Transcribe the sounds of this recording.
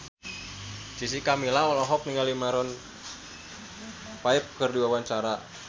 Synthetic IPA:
d͡ʒisikamilaɔlɔɦɔk̚niŋɡalimaɾɔn | paɪp̚kərdiwawaɲt͡ʃaɾa

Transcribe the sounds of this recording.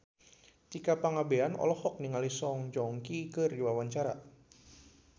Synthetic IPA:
t̪ikapaŋabeanɔ̰lɔhɔk̚niŋalisɔŋd͡ʒɔŋkikɨrdiwawaɲt͡ʃaɾa

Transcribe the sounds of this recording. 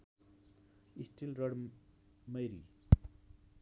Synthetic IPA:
isʈilɾʌɽ | mʌjɾḭ

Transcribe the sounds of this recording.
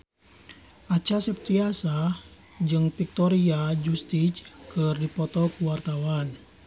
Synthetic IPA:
ʔat͡ʃasɛp̚t̪iasa | d͡ʒɨŋpik̚t̪ɔɾiad͡ʒust̪it͡ʃkərdipɔt̪ɔkuwart̪awan

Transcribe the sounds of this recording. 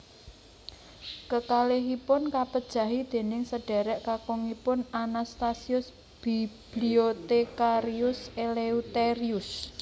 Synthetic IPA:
kəkaleɦipʊnkapəd̥ʒ̥ä̤ɦid̪̥e̤nɪŋsəɖ̥ɛ̤ɾɛʔkakɔŋipʊnanast̪asiʊs | b̥ib̥liot̪ekaɾiʊseleut̪eɾiʊs

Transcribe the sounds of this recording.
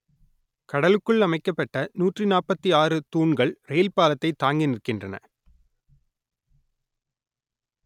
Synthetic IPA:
kɐɽɐlɯkːɯɭɐmɐɪkːɐpːɐʈːɐnuːʈrinaːrpɐt̪ːiaːrɯt̪uːɳɡɐɭrɛjlpaːlɐt̪ːɐɪt̪ːaːŋɡɪnɪɾɯkːɪndrɐnɐ̰

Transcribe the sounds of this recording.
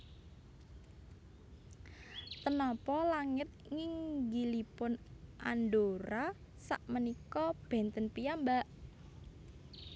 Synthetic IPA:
t̪ənɔpɔlaŋɪt̪̚ŋɪŋɡilipʊnʔa̰ndoɾa | saʔmənikɔb̥ɛ̤nt̪ənpijambaʔ

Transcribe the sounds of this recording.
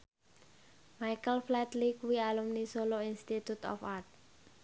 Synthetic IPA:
majkəlflɛt̪likuwialumnisoloinst̪it̪ut̪ɔ̰fart̪̚

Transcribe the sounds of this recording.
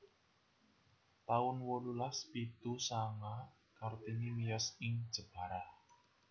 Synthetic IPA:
t̪aʊnwɔlulaspit̪usaŋa | kart̪inimijasɪŋd̥ʒ̥ə̤b̥a̤ɾah

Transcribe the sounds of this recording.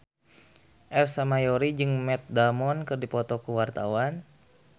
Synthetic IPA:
ʔɛrsamajɔɾid͡ʒɨŋmɛt̪̚damɔnkɨrdipɔt̪ɔkuwart̪awan

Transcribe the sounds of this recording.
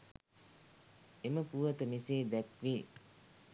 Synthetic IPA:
eməpuʋət̪əmiseːd̪ækʋiː

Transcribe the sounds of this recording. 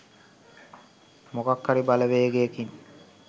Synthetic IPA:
mokakːaɾibaləʋeːɡekiɲ

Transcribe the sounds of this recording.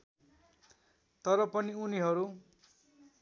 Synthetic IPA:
t̪ʌɾʌpʌniuniɦʌɾu

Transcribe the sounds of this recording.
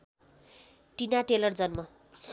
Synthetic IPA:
ʈinaʈelʌrd͡zʌnmʌ

